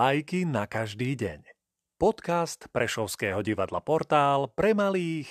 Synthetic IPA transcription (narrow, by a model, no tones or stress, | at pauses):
ajkinakaʒd̪iːɟɛ̰ɲ | pɔt̪kast̪pɾɛʃɔʊskɛːɦɔɟiʋad̪la̰pɔɾt̪aːlpɾɛmaliːx